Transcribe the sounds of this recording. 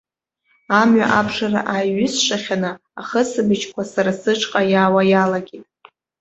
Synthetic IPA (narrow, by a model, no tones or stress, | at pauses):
amɥa̰ʔabʂara̰ʔajɥʏsʂaχʲanɨ | aχəsɨbɨt͡ʃʰkʷʰasaɾasɨʈ͡ʂʰʼqʼajaːwajalaɡʲitʼ